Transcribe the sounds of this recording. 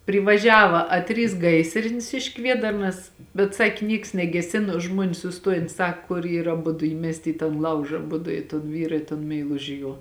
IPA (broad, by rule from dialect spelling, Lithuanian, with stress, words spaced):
pʲrʲɪʋɐˈʒʲæːʋɐ ɐ ˈtʲrʲiːs ˈɡɐɪsʲrʲɪnʲɪs ɪʃ ˈkʋʲiɛdɐrnɐs bʲɛt ˈsɑːkʲɪ ˈnʲiɛks nʲɛɡʲɛˈsʲɪnoː ˈʒmuɔnʲeːs sʊˈstoːjɛn ˈsɐk kʊr ˈiːrɐ ɐˈbʊdʊ ˈiːmʲɛsʲtʲɪ iː tɐn ˈlˠɐʊʒɐ ɐˈbʊdʊ ɪ toːn ˈʋʲiːrɐ ɪ toːn mʲɛɪˈlˠʊʒʲɪ ˈjuɔ